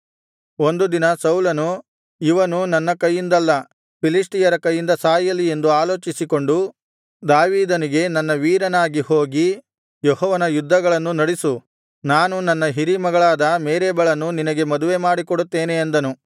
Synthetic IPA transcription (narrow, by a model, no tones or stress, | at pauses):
o̞nd̪ud̪inɐsɐwlɐnu | iʋɐnunɐnːɐkɐjːind̪ɐlːɐ | pilisʈijɐɾɐkɐjːind̪ɐsaːjɐlie̞nd̪uaːloːt͡ʃisiko̞ɳɖu | d̪aːʋiːd̪ɐniɡe̞nɐnːɐʋiːɾɐnaːɡiho̞ːɡi | jɔhɔːʋɐnɐjud̪ʱːɐɡɐɭɐnːunɐɽisu | naːnunɐnːɐɦiɾimɐɡɐɭaːd̪ɐmeːɾeːbɐɭɐnːuninɐɡe̞mɐd̪uʋe̞maːɽikoɽut̪ːeːneːnd̪ɐnu